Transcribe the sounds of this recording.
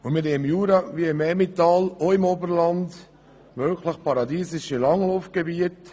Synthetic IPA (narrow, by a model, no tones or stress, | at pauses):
ʊmɪɾeɪmjuːɾɑʋiɪmɛmitɑːloɪmɔbəɾlɑnd | mølkʰləχpɑɾɑd̪iːsɪʃəlɑŋlofɡ̥ebiət